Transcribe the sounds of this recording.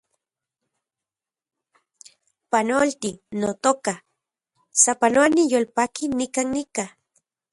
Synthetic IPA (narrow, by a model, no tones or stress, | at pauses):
panolt̪inot̪oka | sapanoanijolpakinikannika